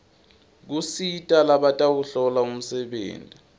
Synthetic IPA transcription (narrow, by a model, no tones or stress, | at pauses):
k̬usitʼalaɓatʼawuɬɔlaum̩sɛɓḛːntʼi